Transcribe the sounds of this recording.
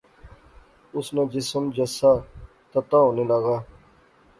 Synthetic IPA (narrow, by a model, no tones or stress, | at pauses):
ʊsnãːd͡ʒɪsəmd͡ʒəsaː | t̪ət̪ãːɦõːnĩːlaːɡaː